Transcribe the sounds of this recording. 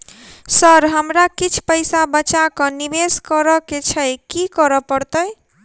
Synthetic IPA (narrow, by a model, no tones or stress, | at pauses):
səɾɦəmɾakit͡ʃʰpəɪsabət͡ʃakənibeskəɾəket͡ʃʰəjkikəɾəpəɾt̪əj